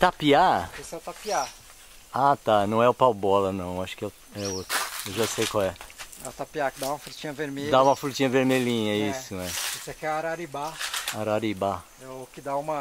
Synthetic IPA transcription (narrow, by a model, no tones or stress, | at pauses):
t̪apiaesɛt̪apia | at̪anɐ̃w̃ɛʊpawbɔlɐnɐ̃w̃aʃʊ̥kɪɛ | ɛot̪ɾʊewʒasejkawɛat̪apiakɪd̪aũmɐfɾut͡ʃĩɲɐveɾmed̪aũmɐfɾut͡ʃĩɲɐveɾmeʎĩɲɐisʊɛisɛkɛɛaɾaɾibaaɾaɾiba | ɛkɪd̪aũmɐ